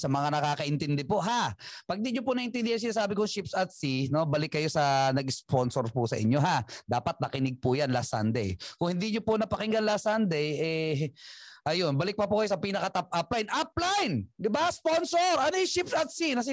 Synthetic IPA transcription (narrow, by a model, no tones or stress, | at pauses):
sɐmɐŋanɐkaːkɐʔɪnt̪ɪnd̪ɛpoʔɦapɐɡ̚niɲop̬ʊnɐʔɪnt̪ɪnd̪ɪjans̬ɪnaːs̬aːbɪkʊŋʃɪpsɐt̪̚sino̞bɐlɪkːɐjo̞sɐnɐɡspo̞nsoɾpʊsɐ̰ʔɪ̰ɲːo̞ɦad̪aːpɐt̪̚nɐkɪnɪɡ̚pʊjanlasɐ̰nd̪ɛjkʊŋhɪnd̪iɲopʊnɐpɐkɪŋɡɐnlasand̪ɛjɛ | ʔɐjonbɐlɪk̚pɐpʊkɐjosɐpiːnɐkɐt̪ɐp̚ʔaplajnʔɐp̚lajnd̪ɪbasponsoɾɐnojʊʃɪpsɐt̪sinɐs̬ɪ